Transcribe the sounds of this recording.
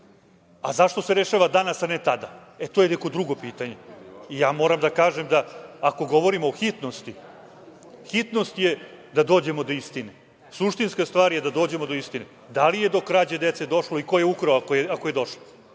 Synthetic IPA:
a̰zaʃt̪o̞seɾeʃaʋad̪anasanet̪ad̪aet̪oːjeneko̞d̪ɾuɡo̞piːt̪aɲe̞ijaːmo̞ːɾamd̪akaːʒemd̪aːko̞ɡo̞ʋo̞ɾimoːxit̪no̞st̪i | xit̪no̞st̪je̞d̪ad̪o̞ːd͡ʑe̞mo̞d̪o̞ist̪ine | suʃt̪inskast̪ʋaːɾje̞d̪ad̪o̞ːd͡ʑe̞mo̞d̪o̞ist̪ine | d̪alije̞d̪o̞kɾaːd͡ʑad̪et̪sed̪o̞ʃloiko̞je̞ukɾaakojeakoje̞d̪o̞ʃlo

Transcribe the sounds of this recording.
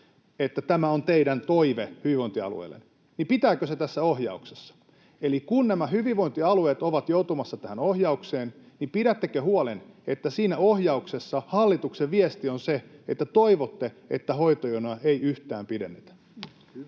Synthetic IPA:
et̪ːæt̪æmæont̪eidænt̪oiʋehyʋiʋoint̪iɑ̰lṵḛlːḛn | nipit̪æːkøset̪æsːæohjɑ̰uksesːɑ̥ | elikunnæmæhyʋiʋoint̪iɑlueːt̪oʋɑt̪jout̪umɑsːɑt̪æhænohjɑukseːn | nipiɾæt̪ːekøhuolenet̪ːæsiːnæohjɑuksesːɑhɑlːit̪ukseʋʋiest̪ionseet̪ːæt̪oiʋot̪ːe | ḛt̪ːæhoit̪ojonɑʔeiyht̪æːmpidenːet̪æ̥

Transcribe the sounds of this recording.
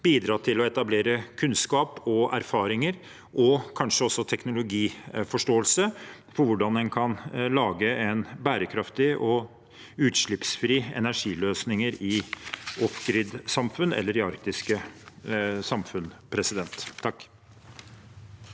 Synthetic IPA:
b̥iːd̪ɾɑːt̪ʰɪlɔɛt̪ɑbleːɾəkʰʉnskɑːpɔæ̰ɾfɑːɾɪŋəɾ | ʔɔkʰɑnʂəɔsːɔt̪ʰɛknʊlʊɡiːfɔʂʈoːəlsə | fɔɾʋʊɖɑnd̪ɛnkʰɑnlɑːɡəɛnbæːɾəkʰɾɑft̪ɪʔɔ | ʉːt̪ʂɭɪpsfɾiːɛ̰næʂiːløːsnɪŋəɾɪ | ɔfɡɾɪd̪sɑmfʉnʔɛ̰lːəɾɪɑɾk̚t̪ɪskə | sɑmfʉnpʰɾɛsɪd̪ɛnt̪ʰːɑkː

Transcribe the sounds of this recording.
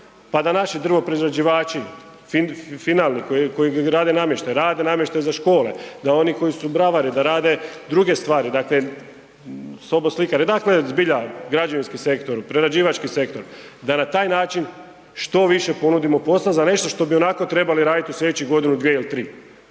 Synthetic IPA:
pad̪anaʃid̪r̩ʋopɾeizɾad͡ʒiʋaːt͡ʃi | fifinalˠnikoikojiɡaɾaːd̪e̞namjeʃt̪ajɾaːd̪e̞namjeʃt̪ajzaʃko̞ːled̪ao̞niko̞jisubɾaʋaɾid̪aɾaːd̪e̞d̪ɾuɡe̞st̪ʋaːɾid̪akle | so̞boslikaɾed̪aklezbiʎaɡɾad͡ʒoʋinskise̞kt̪o̞ɾupɾeɾad͡ʒiːʋat͡ʃkise̞kt̪o̞ɾd̪anat̪aːjnaːt͡ʃin | ʃt̪o̞ʋiʃe̞po̞nud̪imo̞po̞slazane̞ʃt̪o̞ʃt̪o̞bio̞nako̞t̪ɾe̞baliɾaːd̪it̪iusʎʲed̪et͡ɕiɡo̞d̪inud̪ʋieilit̪ɾiː

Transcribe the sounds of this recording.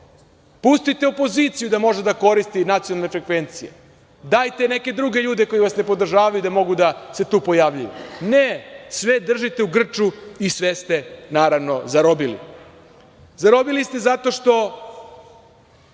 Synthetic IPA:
pust̪it̪eopo̞ziːt̪sijud̪amo̞ʒed̪ako̞ɾist̪inat̪sionalˠnefɾekʋe̞nt̪sijḛ | d̪aːjt̪ene̞ke̞d̪ɾuɡeʎuːd̪eko̞jiʋasne̞po̞d̪r̩ʒaːʋajud̪amo̞ɡud̪ase̞t̪uːpo̞jaːʋʎujṵnesʋed̪r̩ʒit̪euɡr̩t͡ʃuisʋest̪enaːɾaʋno̞zaɾobilḭ | zaɾo̞bilist̪e̞zat̪o̞ʃt̪o̞

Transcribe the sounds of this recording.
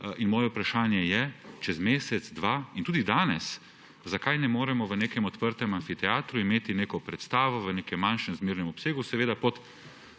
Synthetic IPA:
inmɔːjɛupɾaʃaːnjɛjɛt͡ʃɛzmeːsɛd̪zd̪ʋaːint̪uːd̪id̪aːnɛs | zakajnɛmoːɾɛmɔʋəneːkɛmɔt̪pəɾt̪ɛmanfit̪ɛaːt̪ɾuimeːt̪ineːkɔpɾɛt̪st̪aːʋɔʋəneːkɛmːanʃɛmzmeːɾnɛmɔpseːɡusɛʋeːd̪apɔt̪

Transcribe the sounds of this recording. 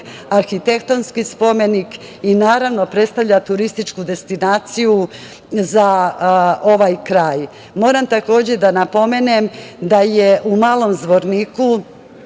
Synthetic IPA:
aɾxit̪e̞kt̪o̞nskispo̞me̞nikinaːɾaʋno̞pɾe̞t̪st̪aʋʎʲat̪uɾist̪it͡ʃkud̪e̞st̪inaːt̪siju | za | o̞ʋajkɾaːj | mo̞ːɾamt̪ako̞ːd͡ʑed̪anapo̞me̞nemd̪aje̞ʔumaːlˠo̞mzd̪ʋo̞ɾniːku

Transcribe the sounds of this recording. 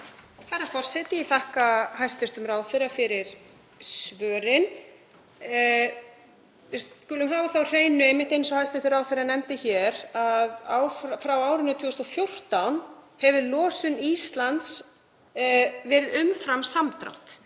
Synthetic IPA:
θaɾaɾfɔr̥sɛt̪ɪiθahkahajst̪ɪst̪ʏmɾaːwfɪɾafɪɾɪɾ̥ | svœːɾɪn | ɪsskʏːlʏmɦaːvaθawr̥eːjnʏɛjmːɪht̪ejnsɔhajst̪ɪ̥ɾ̥t̪ʏɾaːwθfɪɾanɛmt̪ɪçɛɾaðaːwfɾfɾawaːwɾɪnʏt̪ʰiːɔst̪ɔfjowr̥t̪awnhɛvɪlɔːsʏniːst̪lant̪s | vɛːɾɪðʏmfɾamsamt̪ɾa̰wt̪

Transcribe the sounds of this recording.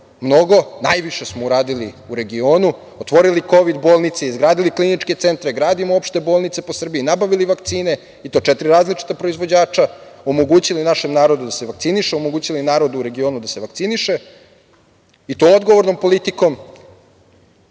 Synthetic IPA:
mno̞ɡo̞najʋiʃe̞smouɾaːd̪iliuɾe̞ɡio̞ːnu | ot̪ʋo̞ɾiliko̞ʋid̪bo̞ːlˠnit̪seizɡɾaːd̪iliklinit͡ʃke̞t̪se̞nt̪ɾeɡɾaːd̪imoopʃt̪e̞bo̞ːlˠnit̪seposr̩biinabaʋiliʋakt̪siːne̞ | it̪o̞ːt͡ʃɛt̪iɾiɾaːzlit͡ʃi̥t̪apɾo̞izʋo̞d͡ʑaːt͡ʃaomo̞ɡuːt͡ɕilinaʃe̞mnaːɾo̞d̪ud̪ase̞ʋakt̪siniʃeo̞moɡuːt͡ɕilinaːɾo̞d̪uɾe̞ɡio̞ːnud̪ase̞ʋak̚t̪siniʃe̞ | it̪ood̪ɡoʋo̞ɾno̞mpo̞lit̪iko̞m

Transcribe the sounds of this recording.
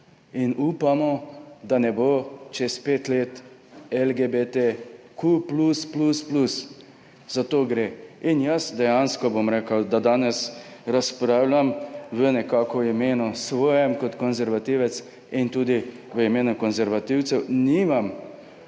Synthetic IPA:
inuːpamɔd̪anɛboːt͡ʃɛspeːt̪leːt̪ | ɛlɡebet̪e | kʰuplusplusplus | z̥at̪oːɡɾeinjəsd̪ɛjanskɔbomɾeːkəwd̪ad̪aːnɛsɾaspɾaːwlʲjamʋənɛkaːkɔimeːnɔsʋɔːjɛmkɔt̪kɔnzɛɾʋat̪iʋɛt̪s | int̪uːd̪i | ʋəimeːnukɔnzɛɾʋat̪iwt̪sɛwnimam

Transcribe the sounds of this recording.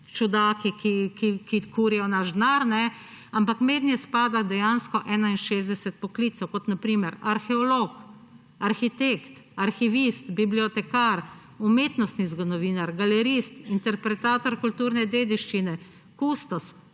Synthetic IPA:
t͡ʃud̪aːkikikikikuːɾijɔnaʒd̪naɾnɛ | ampakmeːd̪njɛspaːd̪ad̪ɛjanskɔʔɛːnainʃeːzd̪ɛsɛt̪̚pɔkliːt̪sɛwkɔt̪napɾiːmɛɾaɾxɛɔlok | aɾxit̪ekt̪ | aɾxiʋist̪bibliɔt̪ɛkaɾ | umeːt̪nɔst̪nizɡɔnɔʋiːnaɾɡalɛɾist̪int̪ɛɾpɾɛt̪aːt̪ɔɾkult̪uːɾnɛd̪eːd̪iʃt͡ʃinɛ | kust̪ɔs

